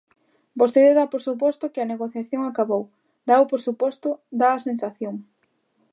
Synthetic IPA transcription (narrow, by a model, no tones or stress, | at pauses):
bost̪eðeðapoɾsup̬ɔst̪ʊkɪɐneɣoθjaθjoŋakaβow | d̪aʊpoɾsupɔst̪ʊd̪aɐsensaθjoŋ